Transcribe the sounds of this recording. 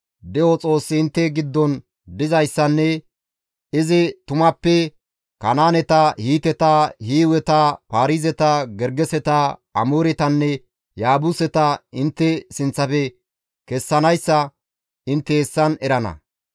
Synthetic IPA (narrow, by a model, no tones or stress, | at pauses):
d̪ɛʔɔt͡sʼo̞ːsːɪɪnt̪ːɛɡɪd̪ːɔn | d̪ɪzɐjsːɐnːɛ | ɪzɪt̪ʊmɐpːɛ | kɐnaːnɛt̪ɐhiːt̪ɛt̪ɐhiːwɛt̪ɐpaːɾizɛt̪ɐɡɛɾɡɛsɛt̪ɐɐmoːɾɛt̪ɐnːɛ | jaːbʊsɛt̪ɐɪnt̪ːɛsɪnt͡sːɐfɛ | kɛsːɐnɐjsːɐ | ɪnt̪ːɛːsːɐnɛɾɐnɐ̰